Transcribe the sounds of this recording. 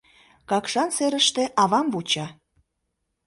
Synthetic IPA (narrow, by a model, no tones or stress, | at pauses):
kɑkʃɑnseɾəʃt̪ĕʔɑβɑmvut͡ɕɑ